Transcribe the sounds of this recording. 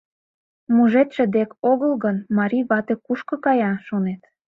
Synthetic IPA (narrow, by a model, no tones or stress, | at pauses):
muʒet̪ʃə̆d̪ekoɣəlɣənmɑɾʲiβɑt̪ekuʃkɤ̆kɑjɑʃonet̪